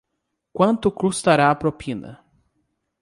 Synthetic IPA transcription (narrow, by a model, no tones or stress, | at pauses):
kwɐ̃nt̪ʊkɾust̪aɾaːpɾopʰĩnɐ̰